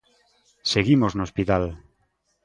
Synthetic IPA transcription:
seɣimoznospit̪al

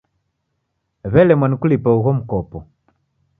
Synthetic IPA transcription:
βɛlɛmwanikulipauɣɔm̩kɔpɔ

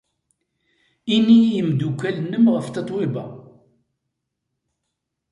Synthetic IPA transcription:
inːijəmd̪ukʷːælnəmʁəft̪ɑt̪ˤwɪbæ̰

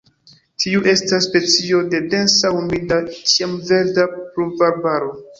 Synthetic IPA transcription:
tʰiuʔe̞stasːpe̞t͡sio̞de̞de̞nsahumidatiamve̞ɾdapɾuvaɾbaɾo̞

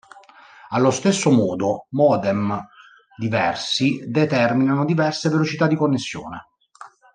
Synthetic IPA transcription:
alːost̪esːomɔːd̪omɔːd̪ɛm | d̪ivɛrsid̪et̪ɛrminanod̪ivɛrsevelot͡ʃit̪ad̪ːikonːesːjo̰ːne

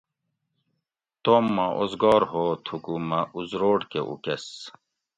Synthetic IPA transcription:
t̪omːaʔozɡɔːɾhoːt̪ʰukumɐuzɾoːɽkeʔṵkes

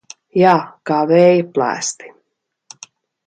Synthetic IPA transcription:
jaːkaːvɛːjplˠæ̰ːst̪i̥

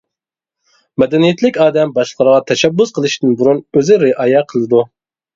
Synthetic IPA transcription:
mɛd̪ɛnijɛt̪ʰlɪkʲɑːd̪ɛmbɑʃlˠəqʰəɾʁɑt̪ʰɛʃɛbːʊzqʰəlˠɨʃt̪ɪnbuɾunøzɪɾɪʔɑːjɛqʰəlˠɨd̪u

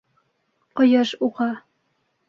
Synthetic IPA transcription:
qɤ̆jɤʃuʁɑ

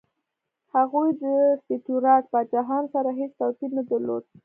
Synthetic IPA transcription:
haɣujd̪əst̪ɪt̪uɾɑʈ̚bad͡ʒaɦɑnsaɾaɦet͡st̪awkilnad̪əɾlo̰d̪̚

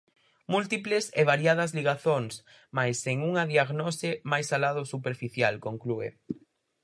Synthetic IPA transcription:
mult̪iplɪseβaɾjað̞ɐzliɣaθoŋs | majseŋuŋɐðiaɣnɔsɪmajsalaðʊsupeɾfiθjalkoŋkluḛ

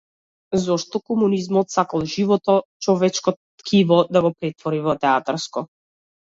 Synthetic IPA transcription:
zɔʃt̪ɔkɔmunizmɔt̪sakalˠʒivɔt̪ɔt͡ʃɔvɛt͡ʃkɔt̪kʰivɔd̪aɡɔpɾɛt̪vɔɾivɔt̪ɛat̪aɾskɔ

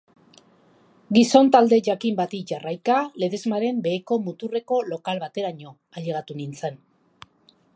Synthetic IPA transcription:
ɡiso̞nt̪ald̪e̞ʝakimbat̪iʝarajkale̞ðe̞zmaɾe̞mbe̞ːko̞mut̪ure̞ko̞lo̞kalβat̪e̞ɾaɲo̞ | aʎeɣ̞at̪unint͡se̞n

